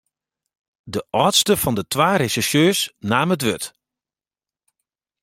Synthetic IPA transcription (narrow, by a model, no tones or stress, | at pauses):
dəʔɔːtstəfɔndətʰʋaːresɛʃjøːsnaːmət̬ʋøt